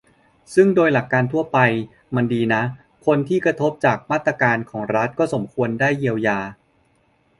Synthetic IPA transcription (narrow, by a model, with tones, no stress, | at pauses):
sɯ˥˩ŋdoː˧jla˨˩kːaː˧nt̪ʰu˥˩ɐpa˧j | ma˧ndiː˧na˦˥ | kʰo˧nt̪ʰiː˥˩kɾa˧t̪ʰo˦˥p̚t͡ɕaː˨˩k̚maː˥˩t̪ːɾa˧kaː˧nkʰɔː˩˦ŋɾa˦˥t̪̚kɔː˥˩so˩˦mkʰu˧əndaː˥˩jːi˧əwjaː˧